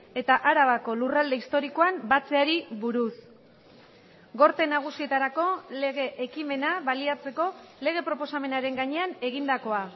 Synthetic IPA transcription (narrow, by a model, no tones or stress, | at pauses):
e̞t̪aʔaɾaβako̞lurald̪e̞ist̪o̞ɾiko̞ambat͡se̞aɾiβuɾus | ɡo̞ɾt̪e̞naɣ̞usie̞t̪aɾako̞le̞ɣ̞e̞ʔekime̞naβaliat͡se̞ko̞le̞ɣ̞e̞pɾo̞po̞same̞naɾe̞ŋɡaɲe̞ane̞ɣ̞ind̪ako̞a